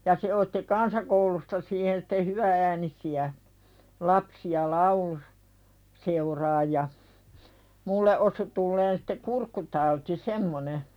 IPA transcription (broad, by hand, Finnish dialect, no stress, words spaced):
jɑ se otːi kɑnsɑkoulustɑ siːhen sitːe hyʋææːnisiæ lɑpsiɑ lɑulu seurɑːj jɑ mulːe ʔosu tulːeːn si̥te kurkːutɑuti semːone